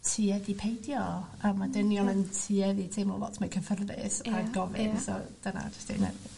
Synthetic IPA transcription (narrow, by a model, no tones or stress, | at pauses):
tʰiːɛðipʰejdjɔ | əmːadənjɔnəntʰiɛðitʰemɔlˠɔ̰tʰmakʰəfərðɪ̰saɡɔvɪ̰nsɔ̰d̥əna̰d͡ʒəstḛnɛ̰d